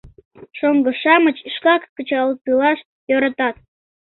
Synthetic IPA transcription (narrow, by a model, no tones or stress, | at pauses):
ʃoŋɡəʃɑmət͡ɕəʃkɑkːət͡ɕɑlət̪ɨlɑʃ | joɾɑt̪ɑt̪̚